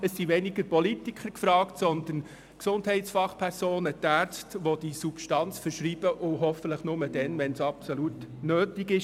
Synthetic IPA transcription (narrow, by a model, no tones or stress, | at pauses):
əsːiʋɛnɪɡəɾpɔlitɪkʰəɾkfɾɑːktsɔnd̪ən | ksʊndhɛɪtsfɑχpʰɛɾsoːnətæːɾt͡stʋɔd̥̪isupʃtɑnt͡sfəɾʃɾiːb̥əʔʊɦɔfətləχnʊməd̥ɛnʋɛnsɑpsɔlutnøːtɪɡɪʃ